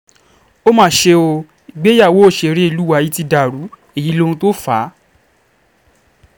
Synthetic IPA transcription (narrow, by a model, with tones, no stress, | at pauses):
o˦mãː˦˨ʃe˧o˧ | i˨ɡ͡be˦ja˦˨wo˨˦o˦˨ʃe˨˧ɾe˦i˦˨lu˨˦wa˧˦ji˦ti˧da˨ɾu˨˦ | e˦˨ji˨˦lo˦ɾũ˧to˦fa˨˦